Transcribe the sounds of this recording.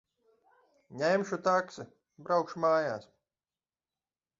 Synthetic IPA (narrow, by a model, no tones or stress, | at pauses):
ɲʲɛjmʃut̪aksɨ | bɾawkʃmaːjaːs